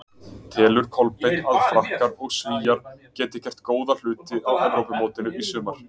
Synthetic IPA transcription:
t̪ʰɛːlʏɾ̥kʰɔlpejnaðfɾahkaɾɔɣsviːjaɾ̥cɛːt̪ɪ̥cɛr̥t̪koːwðal̥ʏːt̪ɪawɛvɾowpʏmoːwt̪ɪnʏisʏːmaɾ̥

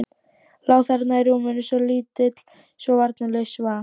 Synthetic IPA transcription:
laːwθaɾt̪naɛɾumɛnʏsɔliːt̪ɪt̪l̥ | svɔvaɾt̪nalɛsva

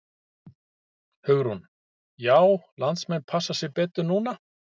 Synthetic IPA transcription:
hʏɣɾhun | jaːwlant̪smɛnpʰasːasjɛɣpɛːt̪ʏɾnuːna

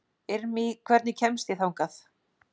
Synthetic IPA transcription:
ɪɾmikʰvɛɾt̪nɪcʰɛmst̪jiθawŋkaθ

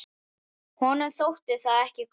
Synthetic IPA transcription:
hɔnɛɾθowht̪ɪ̥θaðɛhcɪk

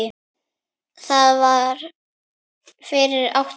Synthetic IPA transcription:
ɪ | θaðvaɾ | fɪɾɪɾa̰wht̪

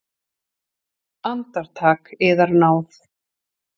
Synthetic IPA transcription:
ant̪aɾ̥t̪ʰaːkɪːðaɾnaːwθ

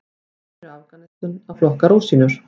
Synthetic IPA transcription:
ɾalkanɛst̪ʏnaflɔhkaɾowsiːnʏɾ̥

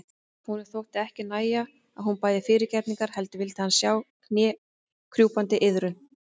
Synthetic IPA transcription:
hunɪɾ̥θowht̪ɪɛhcɪnaːja | aðhunpaːjðɪfɪːɾɪɾcɛɾt̪niŋkaɾ̥hɛl̪t̪ʏvɪlt̪ɪhansjaːwknjɛː | kʰɾjuːpant̪ɪʔɪðɾʏ

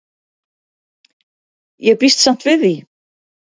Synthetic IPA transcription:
jɛɣpist̪san̥t̪vɪði

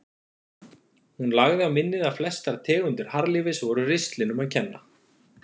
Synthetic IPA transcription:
hunlaɣðɪawmɪnːɪðaflɛst̪aɾt̪ʰɛːɣʏnt̪ɪɾ̥haɾlɪvɪsvɔɾʏrɪst̪lɪnʏmaðcʰɛnːa

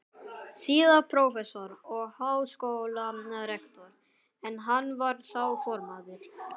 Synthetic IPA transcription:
siːðapʰɾowfɛsɔɾɔɣhaːwskowlaaɾɛkt̪ɔɾ | ɛnɦanːvaɾθawfɔɾmaːðʏɾ̥

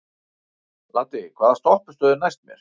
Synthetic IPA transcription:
laːt̪ɪkʰvaːðast̪ɔhpʏ̥st̪œːðɪnajst̪mjɛ̰ɾ̥

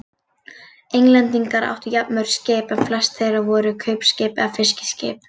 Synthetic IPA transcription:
ejŋlɛnt̪iŋkaɾa̰wht̪ʏjapnœɥɾ̥sceːpɛnflɛst̪θejɾavɔːɾʏkʰœɥpscɪːpɛ̰ɣafɪscɪ̥scɪ̰ːp

